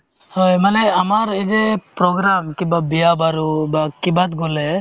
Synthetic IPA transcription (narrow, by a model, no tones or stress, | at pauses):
hɔjmanɛamaɾɛdɛpɾɔɡɾamkibabijabaɾubakibat̪̚ɡɔlɛ